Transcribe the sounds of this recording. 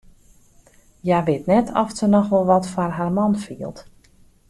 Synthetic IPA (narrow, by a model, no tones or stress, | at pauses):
jaʋɪtnɛtʰɔftsənɔxʋɔlˠʋɔtfarɦarmɔnfiəlˠt